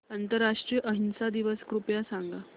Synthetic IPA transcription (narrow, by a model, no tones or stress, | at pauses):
ənt̪əɾːaʂʈɾijəʔəɦinsad̪iʋəskɾupjasaŋɡa